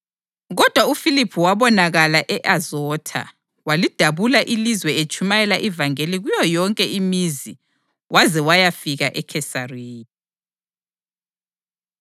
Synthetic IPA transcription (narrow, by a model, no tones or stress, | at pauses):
ɣɔd̥ʱwaufilipʰuwaβɔnaɣalaʔɛʔazɔːtʰa̰ | walid̥ʱaβulaʔilizwɛet͡ʃʼumajɛlaʔivaŋeliɣujɔjɔŋkʼɛimizi | wazɛwajafiɣaʔɛkʰɛsari